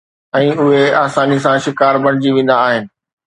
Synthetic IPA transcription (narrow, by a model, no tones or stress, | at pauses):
ɛ̃ːʊɦeaːsaːnis̬ãʃɪkaːɾbɐɽ̃ɪd͡ʑiʋẽːn̆d̪aːɦɪnɪ̆